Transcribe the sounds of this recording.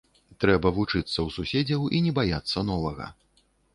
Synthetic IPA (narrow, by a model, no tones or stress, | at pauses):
t̪ɾɛbɐvut͡ʂɨt̪sːɐwsusʲed͡zʲɐwinʲɛbajat̪sːɐn̪ɔvɐɣɐ̰